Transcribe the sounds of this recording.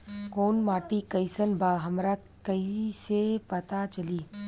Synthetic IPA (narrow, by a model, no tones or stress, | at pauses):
koːnmaːʈikɐjsənbʱaːɦɐmɾa | kɐisepɐt̪at͡ʃɐliː